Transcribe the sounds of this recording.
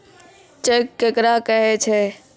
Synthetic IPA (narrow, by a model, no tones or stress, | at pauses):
t͡ʃeːkːekɾakəɦet͡ʃʰeː